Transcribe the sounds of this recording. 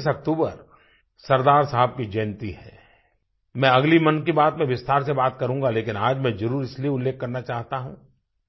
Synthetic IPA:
sɐk̚t̪uːbə̰ɾ | sɐɾd̪aːɾsɐɦəb̚kid͡ʒɐːnt̪iɦɛ̰ː | mɛ̃ɐɡlimɐnkibaːt̪mẽʋɪst̪aːɾsebaːt̪kɐɾũːŋɡaleːkɪnaːd͡ʒmɛ̃zɐɾuːɾɪslieʊlːeːkːɐɾnat͡ʃaːɦt̪aɦũː

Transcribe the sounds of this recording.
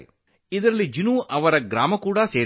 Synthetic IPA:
i | id̪ɐɾɐlːid͡ʒinuʔɐʋɐɾɐɡɾaːmɐkuːɽase̞ː

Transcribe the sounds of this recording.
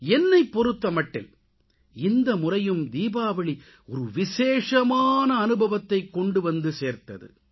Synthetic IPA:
ɛnːɐɪpːɔɾɯt̪ːɐmɐʈːɪ̰l | ɪnd̪ɐmʊrɐjɯmd̪iːbaːʋɐɭi | ɔɾɯʋɪʃeːʂɐmaːnɐːnɯbɐʋɐt̪ːɐɪkːɔɳɖɯʋɐnd̪ɯseːɾt̪ɐ̰ðɯ̰

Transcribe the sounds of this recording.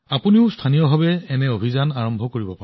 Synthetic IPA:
apuniʊstʰanijɔbʱabɛːnɛobʱizanaɹɔmbʱɔkoɹibɔpaɹɛ̃

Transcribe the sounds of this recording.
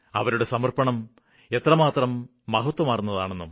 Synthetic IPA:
ɐ̰ʋɐɾuɽe̞sɐmɐrpɐɳɐm | e̞t̪rɐmaːt̪rɐmː | ɐɦɐt̪wɐmaːrunːɐða̰ːɳe̞nːum

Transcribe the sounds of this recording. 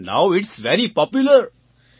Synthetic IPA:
na̰ʊɪʈsʋɛɾipɔpjʊləɾ

